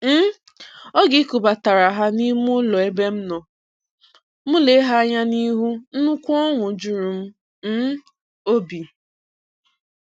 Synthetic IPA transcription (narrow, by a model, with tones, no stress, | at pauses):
m̩˦ | ɔ˦ɡɪ˦ku˨ba˨ta˨ɾa˨ɦa˦ni˦m˦ʊ˦lɔ˨e˦be˦m̩˦nɔ˨ | mʊ˦le˨˦ɦa˦ɲa˦ni˦ɦu˦n̩˦nʊ˦kʷɔ˦ŋʷʊ˨d͡ʒu˨ɾu˨m̩˦ | m̩˦ | o˦bi˨